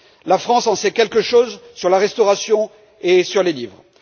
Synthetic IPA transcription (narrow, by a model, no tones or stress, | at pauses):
lafχɑ̃sɑ̃sɛkʲɛlkəʃozsyʁlaʁɛst̪ɔʁasjɔ̃ | esyʁlelivʁ